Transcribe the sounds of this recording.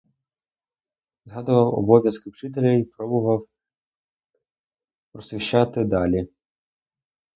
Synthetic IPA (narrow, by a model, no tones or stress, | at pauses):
zɦɑd̪ʊʋɐwɔ̰bɔʋʲjɐskɪwt͡ʃɪt̪̬elʲɐipɾɔbʊʋɐw | pɾɔsɪʃɑt̪ɪd̪ɑlʲi